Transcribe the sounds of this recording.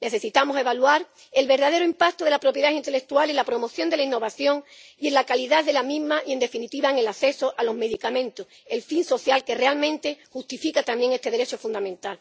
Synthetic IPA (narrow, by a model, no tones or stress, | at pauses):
ne̞θe̞sit̪amose̞βalwaɾ | e̞lβe̞ɾðað̞eɾoimpakt̪oð̞e̞lapɾo̞pje̞ðasint̪e̞le̞k̚t̪uale̞nlapɾo̞mo̞θjo̞nd̪e̞lainːo̞βaθjo̞ŋie̞nlakaliðaðe̞lamĩɦmaʔie̞nd̪e̞finit̪iβaeŋe̞laθe̞so̞ʔalo̞ɦme̞ðikamẽ̞nt̪o | e̞lfinso̞θjalke̞realmẽnt̪e̞xust̪ifikat̪ambje̞ŋe̞st̪e̞ðe̞ɾe̞t͡ʃo̞fũnd̪amẽ̞nt̪al